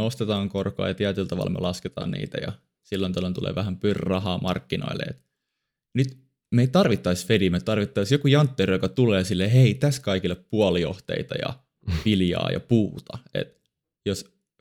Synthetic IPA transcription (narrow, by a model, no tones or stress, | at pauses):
eost̪et̪ɑːŋkorkoɑ̰ːjɑt̪iæt̪ylt̪ɑʋɑ̰lmḛlɑsket̪ɑ̰ːnnḭːt̪æjɑ̰ | silːont̪ɑlːont̪ulḛːʋæhæmpyrʲːɑhɑːmɑrkːino̰ilːḛḛt̪ | nyt̪ | meit̪t̪ɑrʋit̪ːɑisfedimet̪ɑrʋit̪ːɑisjokujɑnt̪ːerjokɑt̪uleːsilːeɦeit̪æskɑikilːeppuɑlioht̪ḛit̪ɑjɑ̰ | ʋiljɑ̰ːjɑ̰puːt̪ɑḛt̪ | jos